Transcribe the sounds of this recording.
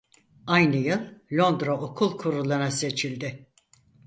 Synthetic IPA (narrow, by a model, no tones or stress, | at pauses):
ajnɯjɯlˠlʲo̞nd̪ɾaokʰulˠkʰuɾulˠaɾase̞t͡ʃʰilʲd̪ɪ